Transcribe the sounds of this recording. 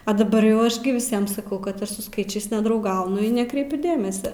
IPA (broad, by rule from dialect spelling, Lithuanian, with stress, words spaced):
ɐ dɐˈbɐr jɛʊ ˈɐʃ ɡʲɪ ʋʲɪˈsʲiɛm sɐˈkɐʊ kɐt ˈɐʃ sʊ ˈskɐɪt͡ʃʲɛɪs nʲɛdrɐʊˈɡɐʊnʊ ɪ nʲɛˈkrʲɛɪpʲʊ ˈdʲeːmʲɛsʲɛ